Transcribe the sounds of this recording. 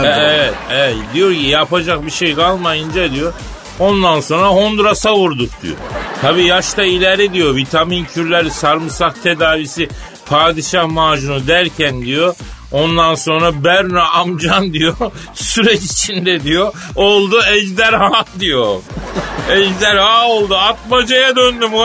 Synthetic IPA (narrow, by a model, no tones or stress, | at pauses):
ɛvɛt̪ɛɛt̪d̪ijo̞ɾcijapʰad͡ʒak̚biʃejkʰalˠmajɯnd͡ʒad̪ijo | ond̪anso̞nɾaɦo̞nd̪ɾasavuɾd̪ukd̪̥ḭjo̰t̪ʰabiːjaʃt̪ailʲɛɾid̪ijo̞vit̪ʰamincʰyɾlʲæɾsaɾmɯsaht̪ʰe̞d̪aːvisi | pʰaːd̪iʃahmaːʒunud̪æɾcʰænd̪ijo | ond̪anso̞nɾabæɾnaʔamd͡ʒand̪ijo | syɾɛt͡ʃit͡ʃʰind̪ɛd̪ijoolˠd̪uɛd͡ʒd̪æɾhaːd̪ijo | ɛd͡ʒd̪æɾhaːolˠd̪uat̪̚mad͡ʒajad̪ønd̪ymo